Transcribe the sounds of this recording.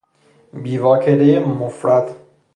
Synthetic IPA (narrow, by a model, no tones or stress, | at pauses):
biːvɒːkʰelejemofɾæd̪̥